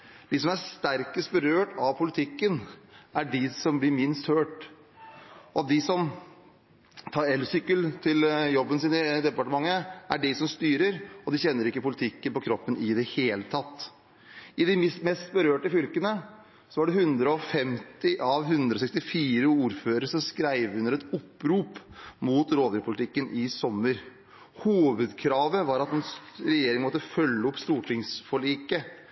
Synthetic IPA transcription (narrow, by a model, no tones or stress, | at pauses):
d̪̥ɪsɔmæst̪æɾkəst̪̚bəɾøːʈɑʋpʰʊlɪt̪ʰɪkːənæɖɪsɔmblɪɾmɪnst̪høːʈ | ɔd̪ɪsɔm | t̪ʰɑːɾɛlʋsʏkːəlt̪ʰɪljɔbːənsɪːnəd̪ɛpɑʈəmɑŋːəʔæ̰ɖɪsɔmst̪yːɾəɾɔd̪ɪçɛnːəɾɪkːəpʊlɪt̪ʰɪkːənpɔkʰɾɔpːənɪd̪ɛheːlət̪ʰɑt̪ː | ɪd̪ɪmɪst̪mɛst̪̚bəɾøːʈəfʏlkənə | sɔʋɑɖɛhʉnd̪ɾəɔfɛmt̪ɪʔɑʋhʉnd̪ɾɔsɛkst̪ɪfiːɾəuːɾføːɾəʂɔmskɾæɪʋʉnəɾɛt̪ʊpːɾuːpmuːt̪ɾoːd̪ɾʉpʊlɪt̪ʰɪkːənʔɪsɔmːəɾ | huːʋəd̪kʰɾɑːʋəʋɑɾɑt̪ɛnsɾɛjeːɾɪŋəmɔt̪ːəfœlːəʊpːst̪uːʈʰɪŋsfɔɭiːkə